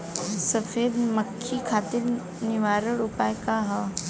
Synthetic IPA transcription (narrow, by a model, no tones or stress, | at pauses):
sɐfeːbmɐkʰːikʰaːt̪ɪɾ | nɪʋaːɾəɽʊpaːjkaɦɐ